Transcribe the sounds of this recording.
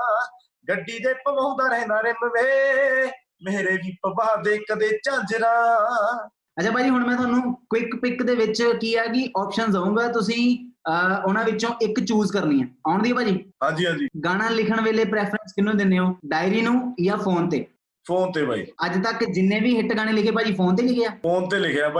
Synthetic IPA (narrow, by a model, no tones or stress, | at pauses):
ɡəɖːiːd̪eːpəbaːd̪aːɾɛɛ̃ːnd̪aːɾɪnəʋeː | meːɾeːʋiːpəbaːd̪eːkəd̪eːt͡ʃãːd͡ʒɾaː | ət͡ʃʰaːbaːd͡ʒiːɦʊɳ̃mɛ̃ːt̪ʊɦaːnũːkɪkpɪkd̪eːʋɪt͡ʃkiːɛːkɪʔɔːpʃənsəũːɡaːt̪ʊs̬ĩː | ʊnãːʋɪt͡ʃõːʔɪkt͡ʃuːzkəɾniːɛ̃ːaːʊɳd̪iːoːpaːd͡ʒiːɦãːd͡ʒiːɦãːd͡ʒiːɡaːɽ̃ãːlɪkʰəɳʋeːleːpɾɛːpʰɾənskɪnũːd̪ɪnːeːoːɖaːɪɾiːnũːjaːpʰoːnt̪ḛː | pʰoːnt̪eːbʱa̰ːḭːəd͡ʒt̪əkd͡ʒɪnːẽːʋiːɦɪʈɡaːɽ̃eːlɪkʰeːpaːd͡ʒiːpʰoːnt̪̬eːlɪkʰejaːoːnt̪eːlɪkʰejaːpa